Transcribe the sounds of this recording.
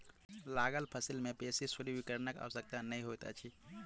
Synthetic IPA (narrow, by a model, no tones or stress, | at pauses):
laɡəlpʰəsilmepesisuɾibikəɾnəka̰ʋəsək̚t̪anəjɦot̪a̰t͡ʃʰi